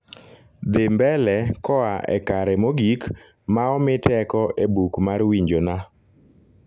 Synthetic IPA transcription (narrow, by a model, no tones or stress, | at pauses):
d̪ɪmbɛlɛkɔaʔɛ̰kaɾɛmoɡik | maɔmɪtɛkɔʔebukmarwiɲd͡ʒona